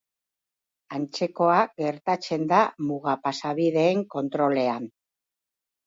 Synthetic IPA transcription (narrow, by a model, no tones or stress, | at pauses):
ant͡se̞ko̞aɡe̞ɾt̪at͡se̞nd̪amuɣapasaβiðe̞ːŋko̞nt̪ɾo̞le̞an